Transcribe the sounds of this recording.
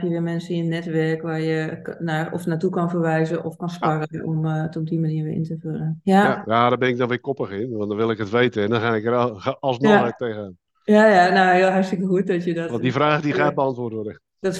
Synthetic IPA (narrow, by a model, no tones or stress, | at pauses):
pjəʋɪəmɛnsəjənːɛtʋɛrkʋarjənaɔ̰fnatukɔnfərʋɛjzəʔɔfkɔnsparənɔmtɔp̚dimaniəɹʋɪ̰ʔɪ̰ntəfølˠənjajaːdɔbɪnɪk̚dɔnʋɪkɔpəxɪnʋɔ̃ntdɔnʋɪlˠɪkɦətʋeːtəɛndɔnxaɪkərːlˠsmɔəteːɣəaːn | jajanowɦɪəlˠɦarstəkəɦuət̚dɔtjədɔʋɔndifraːχdixaːt̚bəɑntʋʊːrtodə | d̥ɔt